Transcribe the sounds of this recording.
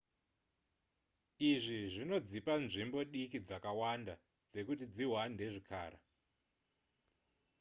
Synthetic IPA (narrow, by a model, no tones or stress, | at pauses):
iʐiʐino̞d͡zipanʐimbo̞ɗikid͡zakawanda | d͡ze̞kutid͡ziɦwande̞ʐikʰa̰ːɾa̰